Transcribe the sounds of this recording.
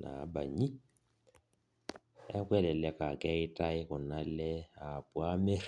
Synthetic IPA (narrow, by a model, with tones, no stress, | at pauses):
na̰˨˦ba̰˨ɲi˦ | ɛ˦kwɛ˦lɛ˨lɛ˦ka˨kɛ˦ɪ˦ta˦ɪ˦kʊ˨na˦lɛ˦a˨pwa˦me˦